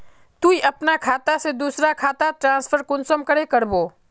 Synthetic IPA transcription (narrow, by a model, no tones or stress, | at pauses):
t̪uiʔɐpnakʰaːt̪ased̪uːsɾakʰaːt̪at̪ɾãːspʰəɾkʊnsəmkəɾekɐɾboː